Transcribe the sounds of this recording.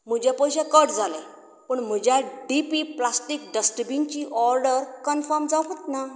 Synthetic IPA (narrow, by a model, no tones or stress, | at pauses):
m̤ud͡ʑapəjɕɛkəʈd͡zalẽ | pəɳm̤əd͡ʑjaɖipiplasʈik̚ɖəsʈəbint͡ɕiːʔɔɾɖəɾkənfəɾmd͡zaɦət̪na